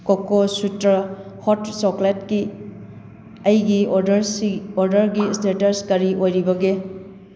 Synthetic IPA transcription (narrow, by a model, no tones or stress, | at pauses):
kokːosutɾɐhotsokletki | ɐjɡioɾoɾdɐɾɡistetɐskɐɾiʔojɾibɐɡe